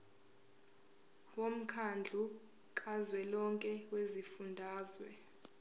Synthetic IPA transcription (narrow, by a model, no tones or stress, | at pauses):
wom̩kʰand͡ɮʱu | kʼazwɛlɔŋkʼɛwezifundʱaːzwɛ